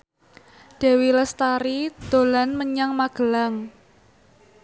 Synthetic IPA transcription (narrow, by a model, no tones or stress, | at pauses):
d̪̥ɛ̤wiləst̪aɾid̪̥o̤lanməɲaŋmaɡ̥ə̤laŋ